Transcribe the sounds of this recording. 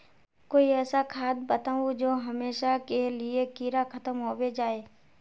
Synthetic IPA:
koːiɛːsakʰaːd̪̚bət̪aːũd͡ʒoːɦɐmeːʃakeliekiːɾakʰɐt̪əmɦoːwed͡ʒaːeː

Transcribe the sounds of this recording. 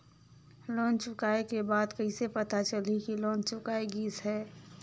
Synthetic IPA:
lɔ̃ːnt͡ʃʊkaːekebaːd̪kəisepɐt̪at͡ʃəlikilɔːnt͡ʃʊkaːeɡiːsɦɛː

